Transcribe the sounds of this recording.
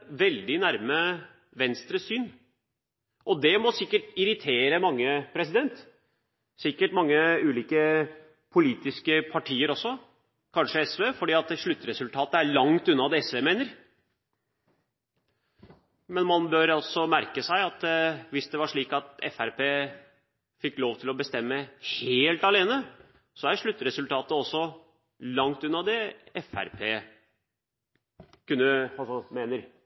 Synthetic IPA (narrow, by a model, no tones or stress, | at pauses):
ʋɛld̪ɪnæɾmə | ʋɛnst̪ɾəsyːn | ʔɔd̪ɛmɔsɪkːəʈɪɾɪt̪ʰeːɾəmɑŋːəpʰɾɛsɪd̪ɛnt̪ | sɪkːəʈmɑŋːəʉːliːkə | pʰʊliːt̪ɪskəpʰɑʈʰiːəɾɔsːɔ | kʰɑnʂəɛsʋeːfɔɖiːɑt̪ʂɭʉt̪ːɾɛsʉlt̪ʰɑːt̪əæɭɑŋt̪ʉnːɑd̪ɛɛsʋeːmeːnəɾ | mɛnmɑnbøːɾɑlsɔmæɾkəsæɪɑt̪ʋɪsd̪ɛʋɑʂɭiːkɑt̪ɛ̰fæɾpʰeː | fɪkːloːʋt̪ʰɪlɔbəst̪ɛmːəheːlt̪ɑleːnə | sɔæɾʂɭʉt̪ːɾɛsʉlt̪ʰɑːt̪əɔsːɔ | lɑŋt̪ʉnːɑd̪ɛɛfæ̰ɾpʰeː | kʉnːəmeːnəɾ